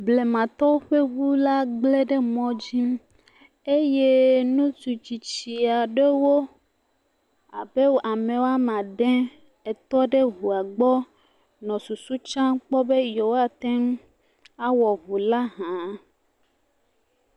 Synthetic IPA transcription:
ble˨mã˨t̪ɔ˦wo˦ɸe˦βu˦la˦ɡ͡ble˦ɖe˦mɔ̃˦d͡ʑi˦m | e˦je˦nũ˦t͡ʃu˨t͡ɕi˨t͡ɕi˨a˨ɖe˦wo˦ | a˨be˦wa˨mẽ˨wo˦a˦mã˨ɖɛ̃˦ | e˨t̪ɔ˦ɖe˦ɦu˨a˨ɡ͡bɔ˦ | nɔ̃˨su˨su˦t͡ʃã˦k͡pɔ˦be˦jo˨wa˦t̪ɛ˦m˦ | a˦wɔ˨βu˨la˦ɦã˨˦

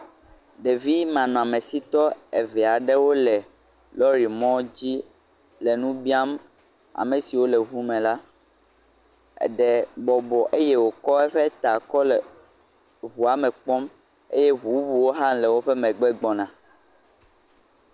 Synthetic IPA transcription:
ɖe˨vi˦mã˨nɔ̃˨a˨mẽ˨si˦t̪ɔ˦e˨vɛ˨a˨ɖɛ˦wo˦lɛ˨ | lɔ˦ɾi˨mɔ̃˦d͡ʑi˦ | lɛ˨nũ˦bi˦a˦m | a̰˨mẽ˨si˨wo˦lɛ˨βu˦mɛ̃˨la˦ | ɛ̰˨ɖɛ˨bɔ˨bɔ˨ʔe˦jɛ˦wo˨kɔ˦ɛ˦ɸɛ˦t̪a˨kɔ˦lɛ˨ | βu˨a˨mɛ̃˨k͡pɔ˦m | ḛ˦je˦βu˨˦bu˨wo˦ɦã˦nlɛ˨wo˦ɸɛ˦mɛ̃˨ɡ͡bɛ˦ɡ͡bɔ˨nã˨

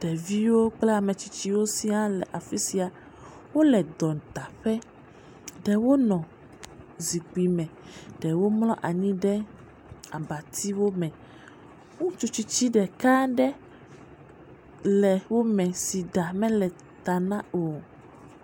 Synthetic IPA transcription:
ɖ̥ɛ˨vi˦wo˦k͡plɛ˦a˨mɛ̃˨t͡ɕi˦t͡ɕi˦wo˦si˦ã˦lɛ˨ʔa˨fi˦si˨a˨ | wo˦lɛ˨d̪ɔ˨t̪a˨ɸɛ˦ | ɖɛ˨wo˦nɔ̃˨ | zi˨k͡pi˨mɛ̃˨ɖɛ˨wo˦mlɔ̃˦ʔa˨ɲĩ˦ɖɛ˦ | a˨ba˨t̪ʰi˦wo˦mɛ̃˨ | ŋũ˦t͡ʃo˦t͡ʃi˦t͡ɕi˦ɖɛ˨ka˦ɖɛ˦ | lɛ˨wo˦mɛ̃˨si˨ɖa˨mɛ̃˦lɛ˨ | t̪a˨nã˦o˨

